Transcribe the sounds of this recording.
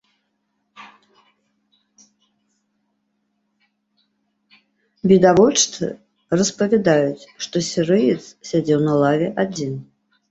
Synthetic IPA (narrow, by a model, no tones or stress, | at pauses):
bʲid̪avɔt͡ʂt̪ɨ̰ | rɐspɐvʲɛd̪ajut͡sʲʂt̪ɔsʲɛɾɨjɪt̪ssʲad͡zʲɛwnɐlˠavʲɛʔad͡zʲin